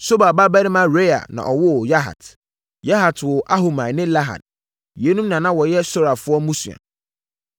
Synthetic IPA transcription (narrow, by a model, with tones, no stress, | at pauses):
so˦ba˨ba˦bæ˦nɪ̃˦mã˦ɾe˦a̰˨nã̰˨ʔɔ˨wʊ˦˨ja˦ɦa̰˨t | ja˦ɦa˨tʰwʊ˨ʔa˦ɦo˨mã˨nɪ̃˦la˦ɦa̰˨d̥̚ | je˨˦nũ˦mnã˨nã˦wɔ˨jɛ˦sɔ˦ɾa˨fʊ˦ɔ˦mũ˦sṵ˨ã̰˨